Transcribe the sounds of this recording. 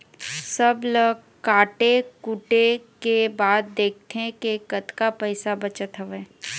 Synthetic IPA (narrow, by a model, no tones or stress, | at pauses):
sɐblə | kaːʈekuʈekebaːd̪̚ːeːk̚ʰt̪ʰẽkekət̪kapɛɪsabɐt͡ʃət̪ɦəʋeː